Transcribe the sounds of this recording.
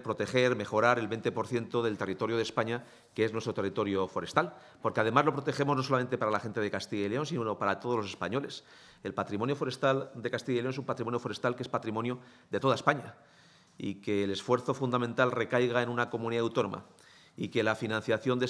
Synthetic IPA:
pɾo̞t̪e̞e̞ɾme̞xo̞ɾaɾe̞lβe̞jnt̪epo̞ɾθje̞nt̪o̞ðe̞lt̪e̞rit̪o̞ɾjoð̞espaɲa | kee̞znwet̪ɾot̪erit̪o̞ɾjofo̞ɾe̞st̪al | po̞ɾkeað̞e̞mazlo̞pɾo̞t̪e̞xe̞mo̞znos̬o̞lamẽ̞nt̪epaɾalaxe̞nt̪e̞ð̞ekast̪iʝaileo̞ns̬ino̞paɾat̪oð̞ozlose̞spaɲo̞le̞s | elpat̪ɾimo̞njofo̞ɾe̞st̪ald̪e̞kast̪iʝaileo̞nsumpat̪ɾimo̞njo̞fo̞ɾe̞st̪alkee̞spat̪ɾimo̞njo | ðe̞t̪o̞ð̞ae̞spaɲa | ḭke̞ːle̞sfwe̞ɾθo̞fund̪amẽnt̪alre̞kajɣae̞nũnako̞mũniðawt̪o̞nõ̞̰mʔa̰ | ike̞lafinãnθjaθjo̞nd̪e

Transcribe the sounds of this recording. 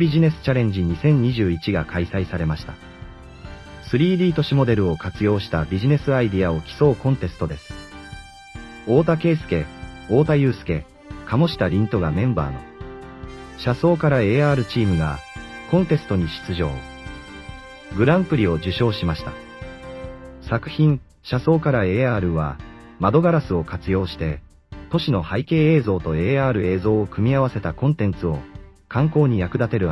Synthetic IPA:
bʲiʑine̞sɨ̥t͡ɕaɾẽ̞ɲ̟d͡ʑiɲ̟isẽ̞ɲ̟ːiʑɨːit͡ɕiɡakʰaisaisaɾe̞maɕi̥t̪a | sɨɾʲiːɾʲiːt̪o̞ɕimo̞d̪e̞ɾɯ̟o̞kat͡sɨjo̞ːɕi̥t̪abʲiʑine̞sɨaid̪iao̞kʲi̥so̞ːkõ̞nt̪e̞sɨ̥t̪o̞d̪e̞sɨ̥ | o̞ːt̪ake̞ːsɨ̥ke̞o̞ːt̪ajɯ̟ːsɨ̥ke̞̰ | kamo̞ɕi̥t̪aɾʲĩnt̪o̞ɡamẽ̞mba̰ːno̞̰ | ɕaso̞ːkaɾae̞ːaːɾɯ̟t͡ɕiːmɯ̟ɡa̰ | kõ̞nt̪e̞sɨ̥t̪o̞ɲ̟iɕi̥t͡sɨʑo̞̰ː | ɡɯ̟ɾãmpɯ̟ɾʲio̞d͡ʑɨɕo̞ːɕimaɕi̥t̪a̰ | sakɯ̟̥çĩɰ | ɕaso̞ːkaɾae̞ːaːɾɯ̟βa̰ | mad̪o̞ɡaɾasɨo̞kat͡sɨjo̞ːɕi̥t̪e̞ | t̪o̞ɕino̞haike̞ːe̞ːzo̞ːt̪o̞e̞ːaːɾɯ̟e̞ːzo̞ːkɯ̟mʲiaβase̞t̪akõ̞nt̪ẽ̞nt͡sɨo̞ | kãŋko̞ːɲ̟ijakɯ̟d̪at̪e̞ɾɯ̟

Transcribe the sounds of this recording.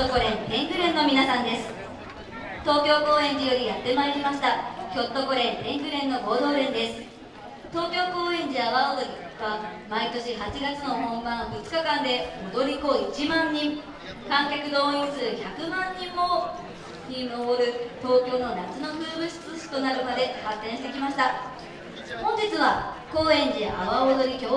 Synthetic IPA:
okoɾẽ̞nt̪ẽ̞ŋɡɯ̟ɾẽ̞nːo̞mʲinasãnd̪e̞sɨ̥ | t̪o̞ːkʲo̞ːko̞ːẽ̞ɲd͡ʑijo̞ɾʲijat̪ːe̞maeɾʲimaɕi̥t̪akʲo̞t̪ːo̞koɾẽ̞nt̪ẽ̞ŋɡɯ̟ɾẽ̞nːo̞ɡo̞ːd̪o̞ːɾẽ̞nd̪e̞sɨ̥ | t̪o̞ːkʲo̞ːko̞ːẽ̞ɲd͡ʑiaβaot̪oi | βamait̪o̞ɕiɦat͡ɕiɡat͡sɨno̞hõ̞mbãɰ̃bɯ̟t͡sɨ̥kakãnd̪e̞od̪o̞ɾʲikoːit͡ɕimãɲːĩŋ | kãŋkʲakɯ̟d̪o̞ːĩɰsɨːçakɯ̟mãɲːĩmːo | ɲʲinoboɾɯ̟t̪o̞ːkʲo̞ːno̞nat͡sɨno̞kɯːbɯ̟ɕi̥t͡sɨɕi̥t̪o̞naɾɯ̟mad̪e̞hat̪ːẽ̞ɰ̃ɕi̥t̪e̞kʲimaɕi̥t̪a | hõ̞ɲ̟d͡ʑit͡sɨβako̞ːẽ̞ɲd͡ʑia̰βaod̪o̞ɾʲikʲo

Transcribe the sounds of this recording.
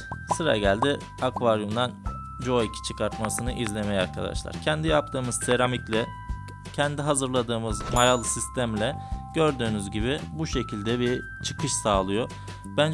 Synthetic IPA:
sɯɾa̰ɟælʲd̪i | akvaɾjumd̪an | d͡ʒo̞icʰi̥t͡ʃʰɯkʰaɾt̪masɯnɯʔizlʲe̞mejaɾkʰad̪a̰ʃlˠa̰ɾ̥cʰɛnd̪ijap̚t̪ʰɯːmɯz̥se̞ɾamiclʲɛ | cʰɛnd̪iɦazɯɾlˠad̪ɯːmɯzmajalˠɯsist̪ʰæmlʲɛɟ̥ø̞ɾd̪yːnyzɟiβibuʃe̞cʰilʲd̪ɛbiɾ | t͡ʃʰɯ̥kʰɯʃsaːlˠɯjo | bænd͡ʒ

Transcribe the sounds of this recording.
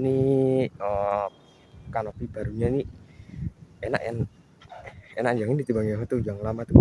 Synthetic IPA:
ni | ə | kanopib̥aɾuɲani | ena̰ʔja̰ŋ | enaʔd͡ʒaŋɪndit̪ibaŋd͡ʒaɦat̪ud͡ʒaŋlamat̪u

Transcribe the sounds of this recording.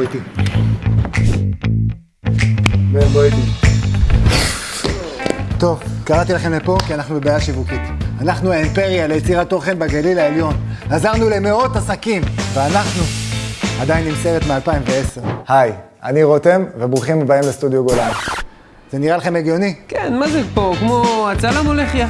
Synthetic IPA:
ti | bebojt̪i | t̪o̞vkaʁat̪ilaχe̞mlepo̞kianaχnubebaːjaʃivukit̪anaχnuaimpe̞ʁjalejet͡siʁat̪ːo̞χe̞nbaɡalilaeljo̞nazaʁnule̞me̞o̞t̪asakimveanaχnu | ad̪ajinːimseʁet̪mealpaimveeseʁhaj | aniʁotemvebʁuχimebaimlest̪ud̪joɡola | z̥e̞niʁalaχe̞meɡjo̞nikenmazepokmoat͡salamoleχja

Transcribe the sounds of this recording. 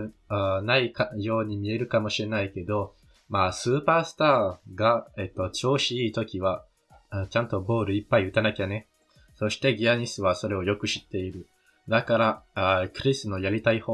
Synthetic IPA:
naikajo̞ːɲ̟imʲie̞ɾɯ̟kamo̞ɕiɾe̞naike̞d̪o̞ | maːsɨːpaːsɨ̥t̪aːɡaet̪ːo̞t͡ɕo̞ːɕiiːt̪o̞kʲiβa | t͡ɕãnt̪o̞bo̞ːɾɯ̟ipːaiɯ̟t̪anakʲane̞ | so̞ɕi̥t̪e̞ɡʲiaɲ̟isɨβaso̞ɾe̞o̞jo̞kɯ̟ɕi̥t̪ːe̞iɾɯ̟ | d̪akaɾakɯ̟ɾʲisɨno̞jaɾʲit̪aihoː

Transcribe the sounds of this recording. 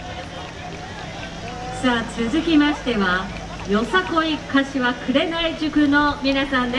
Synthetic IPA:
saːt͡sɨzɨkʲimaɕi̥t̪e̞βa | jo̞sako̞ikaɕiβakɯ̟ɾe̞naiʑɨkɯ̟no̞mʲinasãnd̪e

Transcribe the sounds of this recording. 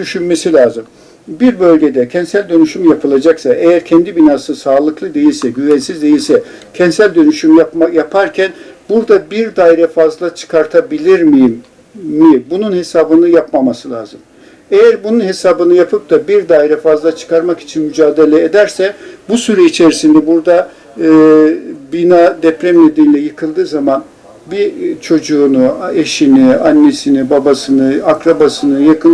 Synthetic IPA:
d̪yʃynme̞silʲaːzɯm | biɾbø̞lʲɟe̞d̪ɛcʰɛnsælʲd̪ø̞nyʃymjapʰɯlˠad͡ʒaksaʔejæɾcʰɛnd̪ibinaːsɯsaːlˠɯklˠɯd̪e̞jilʲsɛɟyvænsizd̪e̞jilʲsɛ | cʰɛnsælʲd̪ø̞nyʃymjajapʰaɾcʰænbuɾd̪abiɾd̪ajɾɛfazlˠat͡ʃʰɯ̥kʰaɾt̪ʰabilʲiɾmijimː | ibununhe̞saːbɯnɯjapmamasɯlʲˠaːzɯm | ejæɾbununɦe̞saːbɯnɯjapʰɯp̚d̪abiɾd̪aːjiɾɛfazlˠat͡ʃʰɯ̥kʰaɾmaki̥t͡ʃʰinmyd͡ʒaːd̪e̞lʲɛed̪æɾsɛbusyɾɛit͡ʃʰe̞ɾisind̪ɛbuɾd̪a | binad̪ɛpɾɛmned̪ɛnlʲɛjɯkʰɯlˠd̪ɯːzaman | bit͡ʃʰo̞d͡ʒuːnueʃinianːe̞sinibabasɯnɯakɾabasɯnɯjakʰɯn

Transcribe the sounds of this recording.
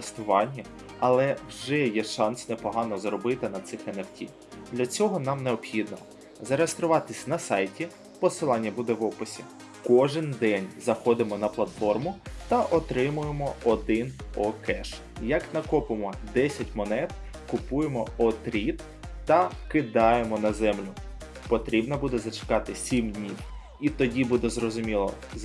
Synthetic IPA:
st̪ʊʋɑnʲːɐ | ɐlˠɛwʒɛjɛʃɑnsnepɔɦɑnɔzɾɔbɪt̪ɪnɐt̪sɪxenewtʲḭ | d̪lʲɐt͡sʲɔɦɔnɑmneɔpxʲid̪nɔ | zɐɾejest̪ɾʊʋɑt̪ɪsʲnɐsɑjtʲi | pɔsɪlˠɑnʲːɐbud̪ɛʋɔpɪsʲi | kɔʒɪnd̪ɛnʲzɐxɔd̪ɪmɔnɐplˠɐt̪fɔrmʊt̪ɐʔɔt̪ɾɪmʊjemɔɔd̪ɪnɔkɛʃ | jɐknɐkɔpɪmɔd̪ɛsʲɐtʲmɔnɛt̪ | kʊpujemɔɔt̪ɾʲit̪ː | ɐkɪd̪ɑjemɔnɐzɛmlʲʊ | pɔt̪ɾʲibnɐbud̪ɛzɐt͡ʃɪ̥kɑt̪ɪsʲimdʲnʲiw | it̪ɔdʲibud̪ɛzrɔzʊmʲilˠɔ̰

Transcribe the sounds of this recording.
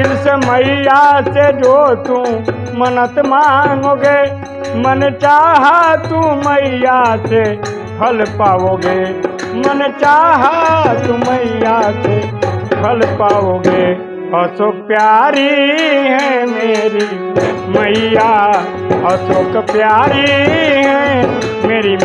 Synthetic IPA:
ɪlsemɐijaːsed͡ʒoːt̪ũ | mɐnət̪mãːŋɡoːɡeː | mənt͡ʃaːɦat̪ũməijase | pʰəlpaːʋoːɡeː | mɐnt͡ʃaːɦat̪ũməɪjasepʰəlpaːʋoːɡe | əsoːpjaːɾiɦɛ̃meːɾi | məjaː | əsoːkpjaːɾiɦɛ̃ | meːɾi

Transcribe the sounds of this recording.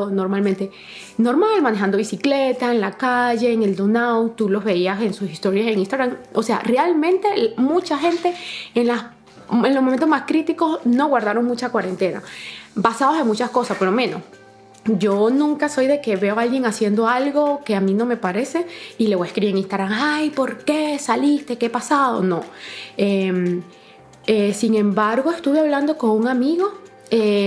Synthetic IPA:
ono̞ɾmalment̪e̞ | no̞ɾmalmãne̞xand̪oβisiklet̪aenlakaʝe̞ːŋe̞ld̪onawt̪ulo̞zβe̞iase̞nsusist̪o̞ɾjaseŋinst̪aɣɾamose̞a̰realmẽ̞nt̪e̞mut͡ʃaxe̞nt̪e̞enlas | enlomoment̪omaskɾit̪iko̞sno̞ɣwaɾðaɾo̞ŋmut͡ʃakwaɾe̞nt̪e̞na̰basaðose̞ŋmut͡ʃasko̞saspolomẽ̞no̞̰s | d͡ʒo̞nũŋkaso̞jðe̞ke̞βe̞oalɣje̞ŋasje̞nd̪o̞alɣo̞ke̞amino̞me̞paɾe̞se̞ile̞βoeskɾiiɾeŋĩnst̪aɣɾaŋajpo̞ɾke̞salist̪e̞ke̞pasaðo̞̰no̞em | esiŋẽ̞mbaɾɣo̞e̞st̪uβe̞aβland̪o̞ko̞ŋuŋamiɣo̞ | e

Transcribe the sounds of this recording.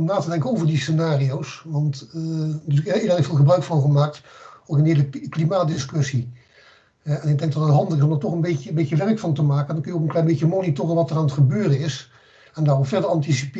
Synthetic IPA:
mnaːtədɛŋkənowvəɹdisenaːriowsʋɑnt | tyːkɪːdɛləfɪːlˠχəbrœɥkfɑnχəmaːk̚tokɪnɦɪːləklimaːt̚dɪskɵsi | ɦɛnɪɡ̚dɛŋɡ̚dɑtətɦɑndəɪsɔmdaːtɔχənbeəbejəʋɛɹkfɑntəmaːkəndɑnkɵnjoʊkənklɛjmbecəmonitoːrənʋɑtəraːnətχəbøːrənɪs | ɛndaːropfɛɹdəɹɑntisi̥p

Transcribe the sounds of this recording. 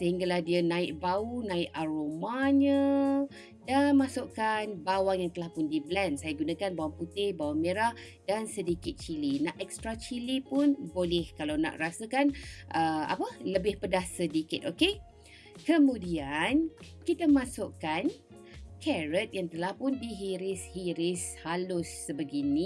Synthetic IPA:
səɦiŋɡalahdiənãɪʔ̚baunãɪʔaɾomaɲə | danmasʊʔkanbawaŋjaŋt̪əlahpʊndiblɛnsajaɡunãkanbawaŋput̪ebawaŋmeɾah | dansədikɪt̪̚t͡ʃilinaʔɛk̚st̪ɾat͡ʃilipʊnbolɛhkalawnã̰ʔrasakanʔəa̰pələbɪhpədahsədikɪt̪̚oke | kəmũdian | kit̪amãsʊʔkan | kʰɛɹət̪̚jaŋt̪əlahpʊndiɦiɾɪshiɾɪshalʊsːəbəɡinĩ

